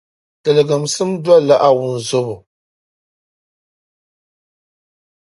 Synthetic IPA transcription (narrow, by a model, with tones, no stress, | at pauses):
tɨ˨lɨ˨ɡa˨msɨ˦m˦dwa˦la˦ʔa˦wʊ˨n˨zo˦bʊ˨